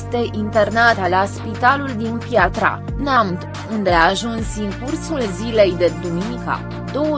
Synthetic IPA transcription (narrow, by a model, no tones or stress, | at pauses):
st̪e̞ʔint̪e̞rnat̪laspit̪aluld̪infjat̪ɾa̰namt̪ | und̪e̞aʒunsɨŋkursulzile̞jd̪e̞d̪uminika̰ | d̪owə